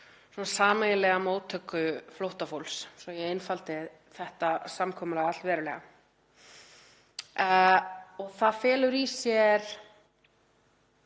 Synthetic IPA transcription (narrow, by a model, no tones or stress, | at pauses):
sɔnasaːmaɣɪlɛɣamoːwt̪ʰœkːʏflowht̪afowlssɔjɛɣenfalt̪ɪ | θɛht̪asamkʰɔːmʏlɛɣat̪lvɛːɾʏlɛ̰ːɣa̰ | ɔɣθaðfɛːlʏɾisjɛɾ̥